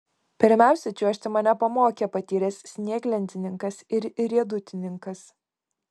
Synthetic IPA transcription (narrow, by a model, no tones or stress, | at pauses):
pʲɪɾʲmʲæˑʊsʲɛt͡ʃʲuɔʃʲt̪ʲɪmɐnʲɛpɐmoːkʲɛpɐt̪ʲiːɾʲɛsʲsʲnʲiɛɡlʲɛnʲt̪ʲɪnʲɪŋkɐsɪɾɪɾʲiɛd̪ʊt̪ʲɪnʲɪŋkɐs